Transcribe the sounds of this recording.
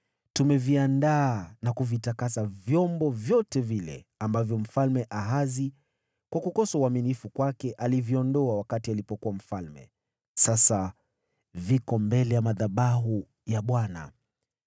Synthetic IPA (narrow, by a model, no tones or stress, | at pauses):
tumɛviandaːnakuvitakasavjɔmbɔvjɔtɛvilɛ̰ambavjɔm̩falmɛʔaɦazi | kwakukɔsauaminifukwakɛʔaliviɔndɔawakatialipɔkuwam̩falmɛ̰ | sasa | vikɔmbɛlɛjamaðaɓaɦu | jaɓwana̰